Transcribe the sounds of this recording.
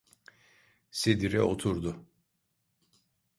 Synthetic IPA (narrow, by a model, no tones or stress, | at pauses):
sed̪iɾɛ̰ot̪ʰuɾd̪ʊ